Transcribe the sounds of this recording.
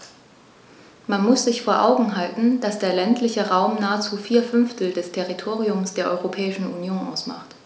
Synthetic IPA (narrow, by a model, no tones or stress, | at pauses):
manmʊsz̥ɪçfoːɐʔaʊɡŋ̩ɦaltn̩d̥asd̥eːɐlɛntʰlɪçəʁaʊmnaːət͡suːfiːɐfʏnftʰl̩dɛstʰɛʁitʰoːʁiʊmsd̥eːɐʔɔʏʁopʰɛːɪʃn̩ʔunjoːnʔa̰ʊsma̰χt